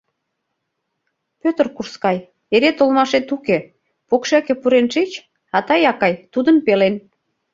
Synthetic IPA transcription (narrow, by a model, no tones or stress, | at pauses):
pøt̪ərkurskɑj | eɾet̪olmɑʃet̪uke | pokʃækĕpuɾenʃit͡ɕ | ɑt̪ɑjɑkɑjt̪ud̪ənpelen